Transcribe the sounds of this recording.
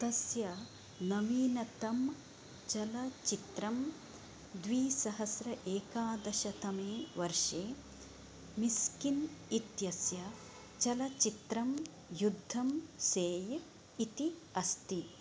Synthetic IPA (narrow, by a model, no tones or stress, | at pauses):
t̪ɐsjɐ | nɐʋiːnɐt̪ɐm | t͡ʃɐlɐt͡ʃit̪ɾɐm | d̪ʋiːsɐɦɐsɾɐʔeːkaːd̪ɐʃɐt̪ɐmeːʋɐɾʂeː | miskinit̪jɐsjɐ | t͡ʃɐlɐt͡ʃit̪ɾɐm | jud̪ʱːɐmseːj | it̪iɐst̪i